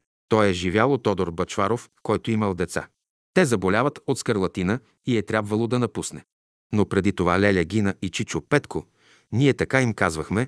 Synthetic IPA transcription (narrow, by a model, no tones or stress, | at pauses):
t̪ɔjɛʒivʲjalˠot̪ɔd̪oɾbɐt͡ʃvaɾofkɔjt̪oiməlˠd̪ɛt̪sa̰ | t̪ɛzɐbolʲavɐt̪ot̪skəɾlˠɐt̪inə | iɛt̪ɾʲjabvɐlˠod̪ɐnɐpusnɛ | nopɾɛd̪it̪ovalɛlʲɐɡʲinəit͡ʃit͡ʃopɛt̪kʰo | niɛt̪ɐkaimkazvɐxmɛ